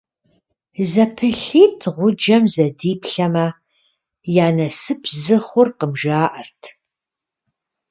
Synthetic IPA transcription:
zɐpʰɨɬiːtʰʁʷʊd͡ʒɐmzɐdiːpʰɬɐmɐ | jaːnɐsɨpʰzɨχʷʊrqəmʒaːʔɐrtʰ

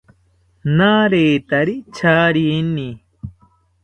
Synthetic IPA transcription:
naːɾeːt̪aɾit͡ʃʰaːɾini

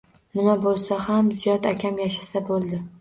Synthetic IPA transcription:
nɪmabolˠsahamzijɒd̪akʲʰamjaʃasabolˠd̪ɪ

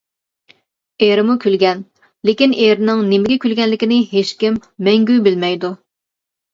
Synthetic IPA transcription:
eɾɪmukʲʰylɡʲɛn | lekʲineɾnɪŋnemɪɡʲɛkʲʰylɡʲɛnlɪkʲɪnɪɦeʃkʲimːɛŋɡʲyjbɪlmɛjd̪u

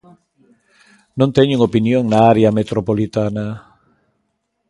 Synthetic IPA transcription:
nõnt̪eɲuŋopinjoŋnaaɾeamet̪ɾopolit̪ana

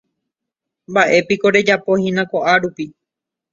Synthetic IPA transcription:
mbaʔe̞piko̞ɾe̞d͡ʒapo̞hĩnãkoʔaɾupi

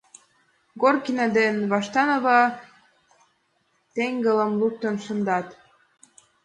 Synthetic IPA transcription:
ɡorkinɑd̪enβɑʃt̪ɑnoβɑ | t̪eŋɡələ̆mluk̚t̪ənʃə̆nd̪ɑt̪

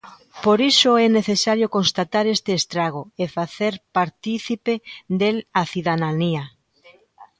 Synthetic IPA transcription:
poɾisoɛneθesaɾjokonst̪at̪aɾest̪eːst̪ɾaɣoefaθeɾpaɾt̪iθiped̪elaθiðaðania

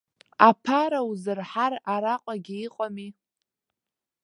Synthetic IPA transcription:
apʰaɾawuzɨrħaraɾaqʷʼaɡʲiiqʼami

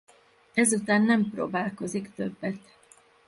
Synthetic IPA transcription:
ɛzut̪aːnːɛmpro̰ːbaːlko̞zikt̪øbːɛt̪

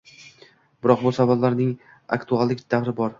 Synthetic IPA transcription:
b̥ɪɾɒqbʊsabablaɾnɪŋ | a̰kt̪ʰualˠd̪ɪkʲd̪̥avɾɪbɒɾ

